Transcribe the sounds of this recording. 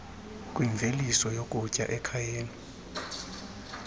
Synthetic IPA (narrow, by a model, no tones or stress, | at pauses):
kʼwiɱvʱelisɔjokʼucʼa̰ʔɛkʰajeːni